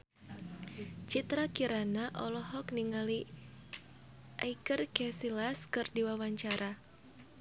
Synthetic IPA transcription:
t͡ʃit̪ɾakiɾanaʔɔlɔɦɔkniŋali | ʔa̰ikərkɛsilaskɨrdiwawaɲt͡ʃaɾʔa

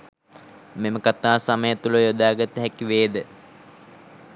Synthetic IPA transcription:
meməkat̪aːsaməjət̪uləjod̪aːɡət̪əɦɛkiʋeːd̪ə

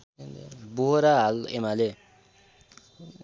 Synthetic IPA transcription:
boɦoɾaɦalḛmale

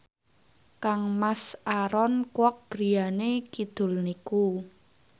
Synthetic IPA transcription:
kaŋmasaɾɔnkwɔk̚ɡ̥ɾi̤janekid̪̥ʊ̤lniku

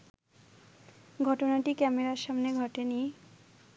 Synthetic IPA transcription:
ɡʱɔʈonaʈikɛmeɾaɾʃamneɡʱɔʈenie

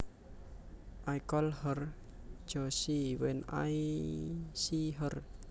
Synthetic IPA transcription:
ʔajkɔlhər | d͡ʒ̥ɔsiwɛna̰j | siɦər

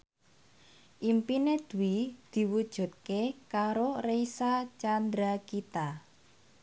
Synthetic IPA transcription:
ʔimpined̪̥uwid̪̥i̤wud̥ʒ̥ṳt̪̚kekaɾoreisat͡ʃand̪ɾakit̪a

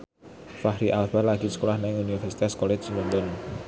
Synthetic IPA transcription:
fahɾiʔalbalaɡisə̥kolahnaŋunifɛrsi̥t̪askɔlɛd͡ʒsəlɔnt̪ɔn

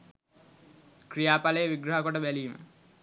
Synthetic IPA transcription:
krijaːpaləjəʋiɡɾəɦəkoʈəbæliːmə̰

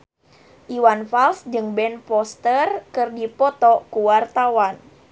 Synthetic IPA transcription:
ʔiwanfalsd͡ʒɨŋbɛnpɔst̪ərkɨrdipɔt̪ɔkuwart̪awan

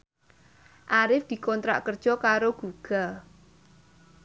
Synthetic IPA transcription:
ʔaɾɪfd̪̥i̤kɔnt̪ɾa̰ʔkərd̥ʒ̥ɔ̤kaɾoɡ̥uɡ̥a̤l

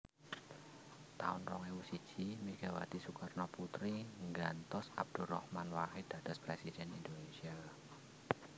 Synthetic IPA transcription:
t̪a̰ʊnrɔŋewusi̥t͡ʃimiɡ̥awa̰t̪isukarnɔput̪ɾiŋɡant̪ɔsa̰b̚d̪̥urɔ̰hmanwahɪd̪̥ad̥aspɾesidɛnind̪onesia

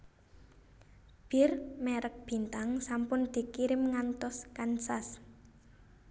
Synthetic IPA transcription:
b̥ɪrmɛɾək̚b̥i̤nt̪aŋsampʊnd̪̥i̤kiɾɪmŋant̪ɔskansas

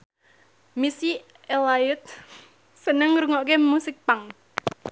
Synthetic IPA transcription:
misi | elajʊt̪̚ | sənəŋɾuŋɔʔkemusɪk̚paŋ

